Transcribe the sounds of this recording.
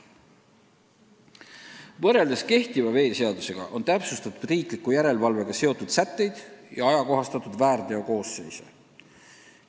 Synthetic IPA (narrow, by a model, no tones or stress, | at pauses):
vɤrːe̞ld̪e̞ske̞ht̪ivɑve̞ːse̞ɑd̪use̞ɡ̥ɑ̰ʔo̞nt̪æpsust̪ɑt̪ud̪̥riːklikːˑujæɾe̞lvɑlve̞ɡ̥ɑse̞o̞t̪ːud̪̥sæt̪ːˑe̞jd̪̥jɑɑjɑko̞ɦɑst̪ɑt̪ːˑud̪̥væːɾd̪̥e̞oko̞ːse̞̰jsḛ